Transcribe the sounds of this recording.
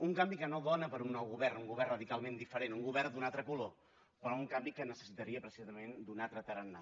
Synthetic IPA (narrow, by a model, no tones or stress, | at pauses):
uŋkambikənoðɔnəpəɾunːɔwɣuβɛrnuŋɡuβɛrrəðikalˠmẽnd̪ifəɾenuŋɡuβɛrnd̪unat̪ɾəkulo | pɾɔuŋkambikənəsə̥sit̪əɾiəpɾəsizəmend̪unat̪ɾət̪ərənːa